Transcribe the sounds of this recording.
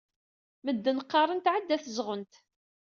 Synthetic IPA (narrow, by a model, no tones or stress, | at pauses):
məd̪ːənqːɑɾˤənt̪ʕəd̪ːæθzʁənt̪